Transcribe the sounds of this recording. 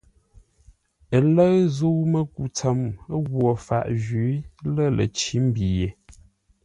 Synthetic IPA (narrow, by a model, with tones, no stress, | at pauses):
ə˨lə˦ɣzo˦mə˦˨ku˨t͡sə˨˦m˦ɣwo˨fa̰˨ʔʒi˨˦lə˦˨lʔə̰˨t͡ʃi˦m̩˦bi˨je˨